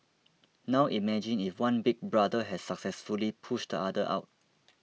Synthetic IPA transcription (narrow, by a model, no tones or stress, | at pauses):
nawʔimɛd͡ʒĩnifwãnbik̚bɹadəɦɛsːaksɛsfulipʰuʃdəadəʔa̰ʊt̚